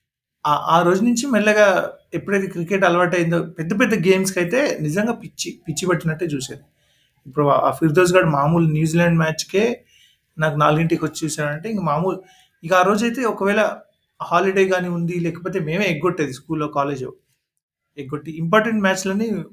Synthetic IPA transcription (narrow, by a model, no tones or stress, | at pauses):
aːʔaːɾo̞ːd͡ʒunuɲt͡ʃimɛlːɐɡaːepːuɽɐjt̪̬ekɾikeʈɐlɐʋɐʈ̬ːɐjind̪oːpɛd̪ːɐp̬ɛd̪ːɐɡeːmskɐjit̪e̞ːnid͡ʒɐŋɡaːpit͡ʃːipit͡ʃːibɐʈːinɐʈːeːt͡ʃuːsaːɾu | ipːuɽua̰ːfʰiɾd̪oːzɡaːɽumaːmuːlnjuːzilɛɳɖmaːt͡ʃkeː | naːkunaːluɡiɳʈikot͡ʃːit͡ʃuːsaːɾɐɳʈeːiŋkɐmaːmuːlu | ikɐaːɾo̞ːd͡ʒɐjt̪e̞ːɔkɐʋɛːɭɐ | haːliɽejɡaːniund̪ilɛːkɐp̬oːt̪e̞ːme̞ːmeːeɡːoʈːeːd̪iskuːlːoːkaːle̞ːd͡ʒɐ̰ː | eɡoʈːiimp̬aːɾʈeɳʈmaːt͡ʃlɐni